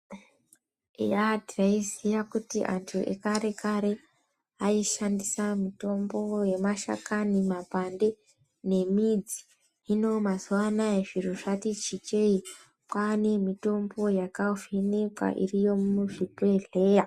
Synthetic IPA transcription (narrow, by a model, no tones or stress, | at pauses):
jadiraizijakutiʔantʰuʔḛkaɾe̞kaɾe̞ | aiʃandisamito̞mbo̞je̞maʃa̰kanimapande̞ | ne̞mid͡zi | ino̞mazuʋanaeʐiruʐatit͡ʃit͡ʃei | kwane̞mito̞mbo̞jakauvinekwa̰ʔḭrijo̞mmuʐipeɮe̞ːja